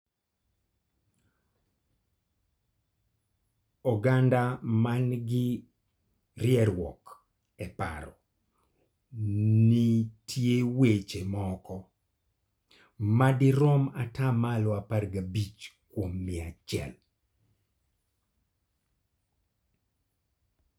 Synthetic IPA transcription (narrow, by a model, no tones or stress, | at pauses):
ɔɡandamanɡɪ | rjɛɾwɔ̰k | ɛpa̰ɾɔ | nitʰjewet͡ʃemɔkɔ | madɪɾɔmatamalɔaparɡabit͡ʃkwomːɪat͡ʃjɛ̰l